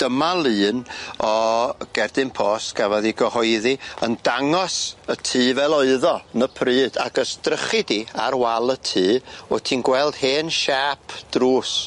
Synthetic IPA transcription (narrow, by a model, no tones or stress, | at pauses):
d̥əmalˠɨːnɔɡ̥ɛrdɨnpʰɔːsɡ̥avɔðiɡəhɔɨðiəndaŋɔsətʰiːvɛlˠɔɨðɔnəpʰrɨːd̥a̰ɡəstrəχɨdia̰ɾwalˠətʰiːɔtʰiːnɡwɛlˠd̥heːnʃaːpʰd̥ruːs